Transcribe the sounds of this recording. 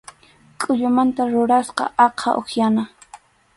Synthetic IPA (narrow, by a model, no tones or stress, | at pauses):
kʼʊʎʊmant̪aɾʊɾasqɑ̰ɑqʰɑ̰ʔoxjana